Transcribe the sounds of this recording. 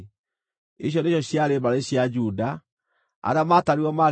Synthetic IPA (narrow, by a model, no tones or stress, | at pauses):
iɕ̬jɔneɕjɔɕjaɾemaɾeɕjad͡ʑuda | a̰ɾeamataɾiɔma